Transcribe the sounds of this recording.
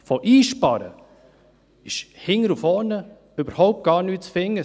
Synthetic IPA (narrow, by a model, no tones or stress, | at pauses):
fɔʔiːʃpɑɾə̰ | ɪʃhɪŋːəɾufɔːnə | øbəɾhɔʊp̚t̚ɡ̥ɑːɾnyːt͡sfɪŋːə